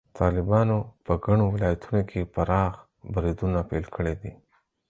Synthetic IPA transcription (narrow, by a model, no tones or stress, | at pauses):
t̪ʰɑlɪbɑnopəɡaɳ̃owɪlɑjat̪ʰunokʰepəɾɑx | bɾid̪unapelkʰəɽed̪i